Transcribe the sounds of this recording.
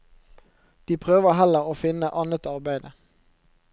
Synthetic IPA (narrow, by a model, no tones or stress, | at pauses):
d̪̥iːpʰʁøːʋəɦɛləʁoːfɪnəʔɑnət̪ɑʁbæɪd̪ə